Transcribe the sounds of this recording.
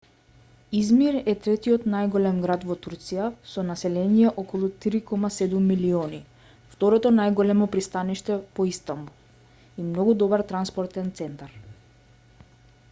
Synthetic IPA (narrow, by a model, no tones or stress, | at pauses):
izmiɾɛt̪ɾɛt̪iɔt̪najɡɔlɛmɡɾad̪vɔt̪uɾt̪sijasɔnasɛlɛnijɛʔɔkɔlˠut̪iɾikɔmasɛd̪umːiliɔni | ft̪ɔɾɔt̪ɔnajɡɔlɛmɔpɾist̪aniʃt̪ɛpɔist̪ambulˠ | imnɔɡud̪ɔbaɾt̪ɾanspɔɾt̪ɛnt̪sɛnt̪aɾ